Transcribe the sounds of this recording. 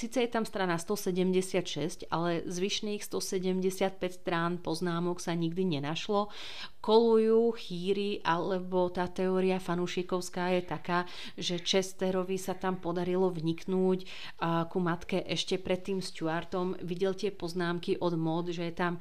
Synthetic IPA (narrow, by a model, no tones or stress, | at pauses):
siːt͡sɛjɛt̪amst̪ɾanast̪ɔsɛɟɛmɟɛsɪat̪ʃɛsca̰lɛzʋiʃniːxst̪ɔsɛɟɛmɟɛsɪat̪̚pɛcst̪ɾanpɔznaːmɔksaɲiɡd̪iɲɛnaʃlɔ | kɔlujuːxiːɾiʔalɛbɔt̪aːt̪ɛɔːɾiafanuʃikɔʊskaːjɛt̪akaː | ʒɛt͡ʃɛst̪ɛɾɔʋisat̪ampɔd̪aɾilɔvɲiknuːc | kumat̪kɛʔɛʃcɛpɾɛt̪ːiːmscuaɾt̪ɔmʋiɟɛlt̪ɪɛpɔznaːmkiʔɔd̪mɔd̪ʒɛjɛt̪am